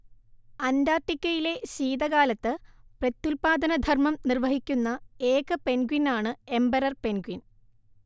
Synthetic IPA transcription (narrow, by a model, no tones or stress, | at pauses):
ɐnd̪aːrʈːikʲːɐjile̞ɕiːd̪ɐɣaːlɐt̪ːɨprɐt̪ːulpaːd̪ɐnɐd̪ʱɐrmɐmnirʋɐɦikʲːunːɐe̞ːkɨpe̞nɡwinaːɳɨe̞mbɐɾɐrpe̞nɡwin